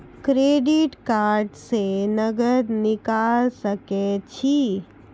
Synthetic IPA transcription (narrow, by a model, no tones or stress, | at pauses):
kɾeːɖɪʈkaːɾɖsenəɡəɾnɪkalsəket͡ʃʰi